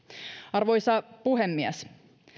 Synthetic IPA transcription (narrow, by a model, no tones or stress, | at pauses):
ɑrʋo̞jsɑpuɦemːiæs